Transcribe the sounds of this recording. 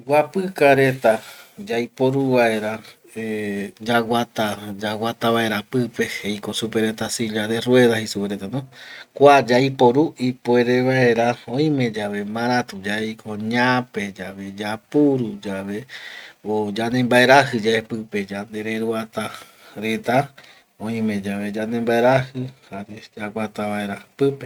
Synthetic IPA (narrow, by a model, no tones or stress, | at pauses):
ɡʷapɨkaɾe̞t̪ad͡ʒajpoɾuβae̞ɾa | ed͡ʒawat̪ad͡ʒawʷat̪aβae̞ɾapɨpe̞hejko̞supeɾet̪asiʎaðerwe̞ðahisupeɾet̪anõkʷad͡ʒajpo̞ɾuipoeɾeβae̞ɾaõĩmẽ̞d͡ʒaβe̞mãɾat̪ud͡ʒaejkʰoɲãpe̞d͡ʒaβe̞d͡ʒapuɾud͡ʒaβe̞od͡ʒanẽmbaeɾahɨd͡ʒaepɨpe̞d͡ʒand̪e̞ɾe̞ɾuat̪a | ɾe̞t̪a | õĩmẽ̞d͡ʒaβe̞d͡ʒand̪embaeɾahɨhaɾed͡ʒawʷat̪aβaeɾapɨpe